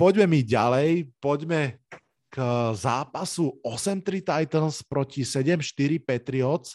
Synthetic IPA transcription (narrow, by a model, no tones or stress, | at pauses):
pɔɟmɛmiɟalɛjpɔɟmɛ | kzaːpasuɔsɛmt̪ɾit̪ajt̪ənspɾɔcisɛɟɛmʃt̪iɾipɛt̪ɾiɔt͡s